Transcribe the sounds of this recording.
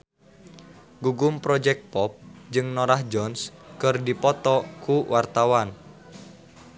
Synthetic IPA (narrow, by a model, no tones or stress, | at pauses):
ɡuɡʊmpɾɔd͡ʒɛk̚t̪̚pɔp̚d͡ʒɨŋnoɾahd͡ʒɔnskɨrdipɔt̪ɔkuwʔart̪awan